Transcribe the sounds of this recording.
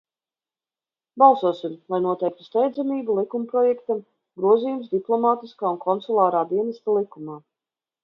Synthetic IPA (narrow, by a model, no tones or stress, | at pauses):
bɑlˠsuɔsimlˠajnuɔt̪ɛjk̚t̪u̥st̪ɛjd̪zɛmiːbulˠikumpɾɔjɛkt̪am | ɡɾuɔziːjumzd̪iplˠɔmaːt̪iskaːunkʰɔnt̪sulˠaːɾaːd̪iɛnɛst̪alˠikumaː